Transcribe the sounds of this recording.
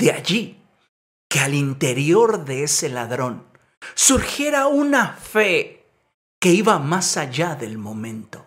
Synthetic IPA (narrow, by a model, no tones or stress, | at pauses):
d̪eaʝi | kealint̪e̞ɾjo̞ɾðe̞ese̞laðɾo̞n | suɾxje̞ɾaunafe̞ | ke̞iβamasaʝaðe̞lmo̞mẽ̞nt̪o̞